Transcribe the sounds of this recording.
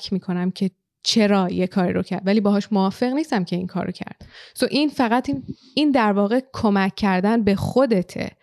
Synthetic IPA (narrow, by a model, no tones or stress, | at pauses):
kʰmiːkʰo̞næmcʰe̞ | t͡ʃʰe̞ɾɒːjekʰɒːɾḭɾocʰæɾd̪væliːbɒːɦɒːʃmoɒːfe̞ɣniːst̪æmcʰe̞iŋkʰɒ̰ːɾocʰæ̰ɾd̪̥soʔinfæɣæt̪ʰin | ind̪æɾvɒːɣe̞kʰo̞mæcʰːæɾd̪ænbe̞xod̪e̞t̪ʰḛ